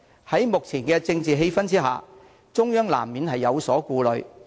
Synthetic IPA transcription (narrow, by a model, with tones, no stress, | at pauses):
hɐ˨˥jmʊ˨k̚t͡sʰiː˨˩nkɛː˧t͡sɪ˧ŋt͡siː˨ɦe˧jfɐ˥nt͡siː˥ɦa̰ː˨˩ | t͡sʊ˥ŋjœː˥ŋla̰ː˨˩mmiː˨˧nhɐ˨jːɐ˨˧wsɔː˨˥kuː˧lɵ˨˧ɥ